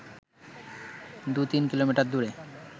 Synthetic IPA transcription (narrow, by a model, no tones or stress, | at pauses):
d̪ut̪inkilomiʈaɾd̪uɾe